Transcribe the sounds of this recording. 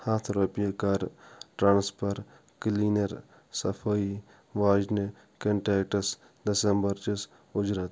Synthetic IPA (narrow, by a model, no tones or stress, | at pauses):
haːt̪ʰɾoːpijakaːɾʈɾãːnspʰɐɾ | kliːnɐɾ | sɐpʰai | ʋaːd͡ʒni | kɐɳʈeːkʈɐs | d̪ɐsembɐɾt͡ʃis | ʊd͡ʒɾaːt̪